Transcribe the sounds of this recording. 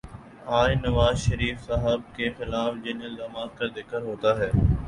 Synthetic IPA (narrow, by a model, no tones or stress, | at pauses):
aːd͡ʒnɐʋaːzʃəɾiːfsaɦəb̚kexɪlaːfd͡ʒɪnɪld̪aːmaːzkad̪ɪkːəɾɦoːt̪aɦɛː